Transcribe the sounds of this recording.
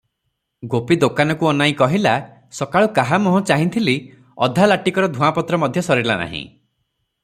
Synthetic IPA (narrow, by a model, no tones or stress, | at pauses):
ɡopid̪okanɔkuɔnaĩkɔɦila | sɔkaɭukaɦamɔɦɔ̃t͡ʃaɦĩnt̪ʰili | ɔ̰d̪ʱalaʈikɔɾɔd̪ʱuapɔt̪ɾɔmɔd̪ʱjɔsɔɾiɾlana̰ɦḭ̃